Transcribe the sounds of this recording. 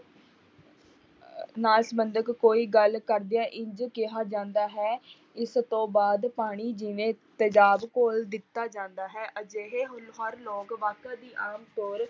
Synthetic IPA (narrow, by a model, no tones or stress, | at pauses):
naːlsmənd̪əkkoːiːɡəlkəɾd̪eaːʔɪ̃ɲd͡ʒkɪɦaːd͡ʒãːnd̪aːɦɛː | ɪst̪õːbaːd̪paːɽ̃iːd͡ʒɪʋẽːt̪əd͡ʒaːbkoːld̪ɪt̪ːaːd͡ʒãːnd̪aːɦɛːʔəd͡ʒeɦeːɦʊlɦəɾloːkʋaːkãːd̪iːʔaːmt̪oːɾ